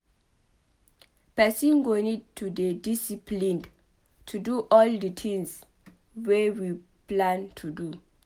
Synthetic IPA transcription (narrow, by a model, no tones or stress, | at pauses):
pɛsĩnɡonidtʰːudedisiplĩnd | tʰuduʔɔldət̪ʰĩŋs | wewi | plãntʰudu